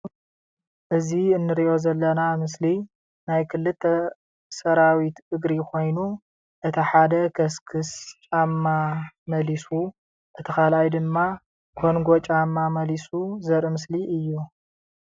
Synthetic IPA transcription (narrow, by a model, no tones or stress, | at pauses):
ʔɨziɨnːɨɾiʔo̞zɐlːɐnamɨsli | najkʰɨlːɨt̪ʰːɐ | sɐɾawit̪ʔɨɡɾikʰo̞jnu | ʔɨt̪ʰiħad̪ɐkʰɐskʰɨst͡ʃʼamːamɐlisu | ʔɨt̪ʰikalʔajd̪ɨmːa | kʰo̞nɡo̞t͡ʃʼamːamɐlisuzɐɾmɨsliʔɨjːu